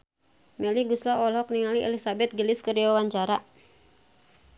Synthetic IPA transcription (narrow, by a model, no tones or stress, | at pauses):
mɛliɡuslaɔlɦɔk̚niŋaliʔɛ̰lisabɛt̪̚ɡəlɪskəriawaɲt͡ʃaɾa